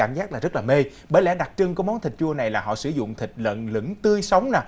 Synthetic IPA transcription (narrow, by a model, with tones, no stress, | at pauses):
aː˧˩mzaː˦˥k̚laː˨˩zə˦˥laː˨˩me˧ | ɓəː˧˦jlɛ̰˧˥ɗa˨˩k̚t͡ɕɨ˧ŋkːjmɔ˨˦nt̪ʰi˨˩k̟̚t͡ɕu˧əna˨˩jlaː˨˩ɦɔ̰˧˨sɨ˧˩zʊ̰˧˨ŋ͡mt̪ʰï˨˩k̟̚lə̰˧˨nlɨ̰˧˥ŋt̪ɨ˧əjsə˨˦wŋ͡mnaː˨˩